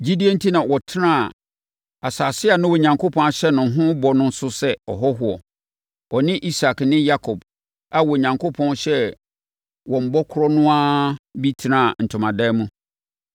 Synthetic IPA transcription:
d͡ʑi˦di˦e˦n̩˦tʰi˦nã˨wɔ˨tʰɪ˦nã˦˨a˨ | a˨saː˨sɪ˦a˨nʊ̃˦wɔ˨ɲã˨ŋkʰo˦pʰɔ̃˦a˨ɕɛ˦nʊ̃˨˦ɦʊ̃˦bɔ˨nʊ̃˦n˦sʊ˦sɛ˦ɔ̰˨ɦɔ˦ɦʊ˨ɔ˨ | ɔ˨nɪ̃˦ʔi˦sa˨knɪ̃˦ja˦kʰɔ˨b | a˨wɔ˨ɲã˨ŋko˦pʰɔ̃˦nɕɛ˦ | wɔ̃˨m̩˨bɔ˦kʰʊ˦ɾɔ˦nʊ̃˦a˦bi˦tʰi˨nã˦˨n̩˨tʰʊ̃˨mã˨dɛ˦mũ˦

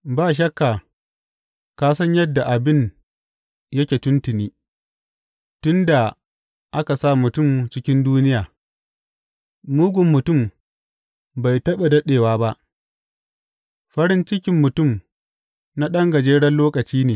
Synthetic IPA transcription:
baː˦˨ʃ̬ɐ˦kːaː˨ | kaː˦sɐ˦ɲjɐ˦dːa˨ʔa˨bɪ˦ɲ | jɐ˦kʲeː˨tʊ˦ntɪ˨niː˦ | tʊ˦nda˨ | ʔa˦ka˨sa˦˨mʊ˨tʊ˦˨mt͡ʃɪ˦kʲɪ˦nduː˦nɪ˦jaː˨ | muː˦ɡʷʊ˨mːʊ˨tʊ˦˨m | ba˨jtɐ˦ɓe˨dɐ˦ɗeː˨waː˦ba˦ʔ | ɸɐ˦ɽɪ˦nt͡ʃɪ˦kʲɪ˦mːʊ˨tʊ˦˨m | na˦ɗɐ˦ŋɡɐ˨d͡ʒeː˦ɽɐ˦loː˦kɐ˨t͡ʃiː˦neː˨

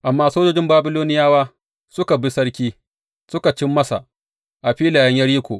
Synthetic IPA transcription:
ʔa˨mːaː˦soː˦d͡ʒoː˦d͡ʒɪ˦mbaː˦bɪ˦loː˦nɪ˦jaː˦waː˦ | sʊ˦ka˨bɪ˦sɐ˦ɽkʲiː˦ | sʊ˦ka˨t͡ʃɪ˦mːɐ˦sa̰˨ | ʔa˨ɸiː˦laː˨jɐ˦ɲjɐ˦ɽiː˦kʷo̰ː˨ʔ

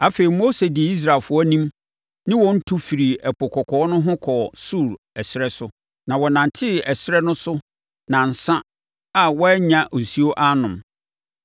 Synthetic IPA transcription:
a˦fe˨ɾi˨mo˦se˨di˨i˦s̬ɾa˨lfʊ˦ɔ˦nĩ˦m | nɪ̃˦wɔ̃˦n̩˦tʰu˦fi˨ɾi˨ɛ˨pʰʊ˨kʰɔ˨kʰɔ˨˦nʊ̃˦ɦʊ̃˦kʰɔ˨su˦˨ɾ | ɛ˨sɪ˦ɾɛ˦sʊ˦ | nã˨wɔ˨nã˨n˨tʰɪ˦ɛ˨sɪ˦ɾɛ˦nʊ̃˦sʊ˦ | nã˨n̩˨sã˦ | a˨wɔ˦ɲã˨ʔo˨si˦o˦ʔa˦nʊ̃˨m

